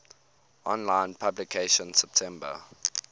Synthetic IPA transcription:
ʔɔ̃nlãɪ̃npʰablikʰeʃə̃nsɛp̚tʰɛ̃mbə̰

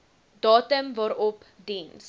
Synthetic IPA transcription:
dɑːtəmvɑːɾɔp | dins

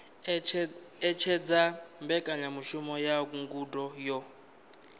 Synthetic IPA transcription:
ɛt͡ʃʰɛd͡zambɛkʼaɲamuʃumɔjak̬uŋɡudɔjɔ

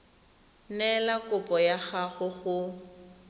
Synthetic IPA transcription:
nɛlakʼʊpʼɔjaɣaɣʊɣʊ

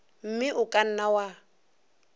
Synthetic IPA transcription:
m̩mɪʔʊkʼan̩nawa

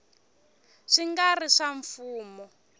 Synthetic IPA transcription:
ʂiŋɡariʂaɱfuːmɔ

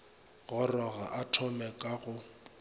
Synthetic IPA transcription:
ɣʊrɔɣaʔatʰɔmɛkʼaɣʊ

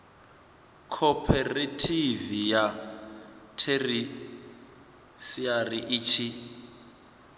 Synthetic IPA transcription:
kʰɔpʰɛretʰivija | tʰeri | siariʔiːt͡ʃʰi

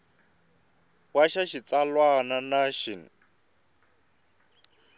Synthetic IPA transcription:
waʃaʃit͡salwananaʃin

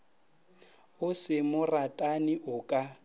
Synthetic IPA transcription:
ʊsɪmʊratʼanɪʔʊkʼa

